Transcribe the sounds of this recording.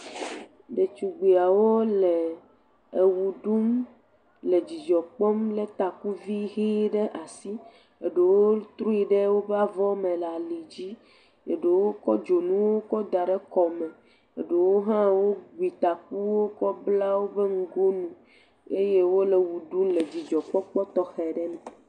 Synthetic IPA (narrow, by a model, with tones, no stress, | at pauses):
ɖe˨t͡ʃu˨ɡ͡be˨a˨wo˦le˨ | e˨wu˨ɖu˦m | le˨d͡ʑi˨d͡ʒɔ˨k͡pɔ˦mle˦t̪a˨ku˦vi˦ɦi˦ɖe˦ʔa˨si˦ | e˨ɖe˨wo˦t̪ɾu˦i˦ɖe˦wo˦ba˦vɔ˦mẽ˨la˨li˨d͡ʑi˦ | ḛ˨ɖe˨wo˦kɔ˦d͡ʒo˨nũ˦wo˦kɔ˦d̪a˨ɖɛ˦kɔ˨mɛ̃˨ | ḛ˨ɖe˨wo˦ɦã˦wo˦ɡi˨t̪a˨k̚u˦wo˦kɔ˦bla˦wo˦be˦ŋ̩˦ɡo˦nũ˦ | e˦je˦wo˦le˨wu˨ɖu˦mle˨d͡ʑi˨d͡ʒɔ˨k͡pɔ˦k͡pɔ˦t̪ɔ˦xɛ˨ɖɛ˦nɛ̃˨